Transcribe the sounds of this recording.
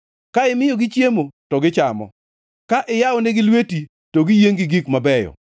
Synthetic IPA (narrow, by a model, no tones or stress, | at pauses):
kaɪmɪjɔɡɪt͡ʃjemotɔɡɪt͡ʃamɔ̰ | kaʔɪjaɔneɡɪlweti | tɔɡɪjeŋɡɪɡikmabɛjɔ̰